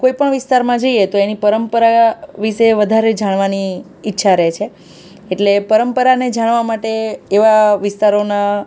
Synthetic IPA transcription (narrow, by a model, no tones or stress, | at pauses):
koipəɳʋɪst̪aɾmãd͡ʒəiet̪oenipəɾəmpəɾaʋiʃeʋəd̪ʱaɾed͡ʒaɽ̃ʋaniː | tːʃʰaɾet͡ʃʰe | eʈlepəɾəmpəɾaned͡ʒaɽ̃ʋamaʈeːʋaʋɪst̪aɾona